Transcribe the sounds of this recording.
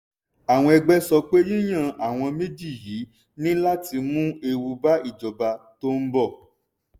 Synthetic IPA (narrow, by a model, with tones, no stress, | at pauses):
a˨w̃ɔ̃˧ɛ˧ɡ͡bɛ˦sɔ˧k͡pe˦ji˦j̃ã˦˨a˨w̃ɔ̃˧me˦d͡ʒi˦˨ji˨˦ | nĩ˦la˦ti˧mũ˦e˧wu˧ba˦i˦˨d͡ʒɔ˨ba˧to˦m̩˦bɔ˦˨